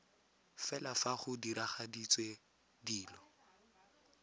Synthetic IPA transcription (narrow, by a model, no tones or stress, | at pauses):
fɛlafaχʊdiɾaχadit͡sʼwe | diːlɔ